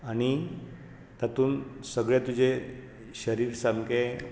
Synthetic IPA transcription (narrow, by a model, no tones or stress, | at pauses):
aɽ̃i | t̪at̪uːnsəɡɭjet̪ud͡ʑʱe | ɕəɾiːɾsamke